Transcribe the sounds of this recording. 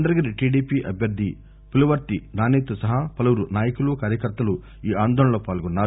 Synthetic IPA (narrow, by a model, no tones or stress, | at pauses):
nd̪ɐɾɐɡɐɾiʈiːɖiːpiʔɐbʱjɐɾd̪ʱːi | pulɐʋɐɾt̪inaːneːt̪usɐɦɐpɐlɐʋuɾunaːjɐkulukaːɾjɐkɐɾt̪ːɐlu | iːaːnd̪ʱɔːñɐloːpaːlɡɔnːaːɾu